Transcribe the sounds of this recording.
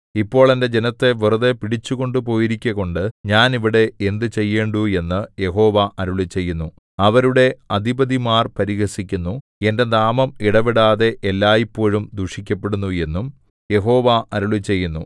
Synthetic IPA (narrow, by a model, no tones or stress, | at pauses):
ipːo̞ːɭende̞d͡ʑe̞nɐt̪ːe̞ʋirɐðepiɽit͡ɕːuɣo̞ɳɖɨp̬o̞ːjiɾikʲːɐɣo̞ɳɖɨɲaːniʋiɽe̞end̪ɨt͡ɕe̞jːe̞ːɳɖue̞nːɨje̞ɦo̞ːʋɐʔɐɾuɭit͡ɕe̞jːunːu | ɐʋɐɾuɽe̞ɐd̪ʱibɐd̪imaːrpɐɾiɣɐsikʲːunːu | e̞nde̞naːmɐmiɽɐʋiɽaːðe̞ʔelːaːjipːo̞ːɻumd̪uʂikʲːɐpːe̞ɽunːue̞nːum | je̞ɦo̞ːʋɐʔɐɾuɭit͡ɕːe̞jːunːu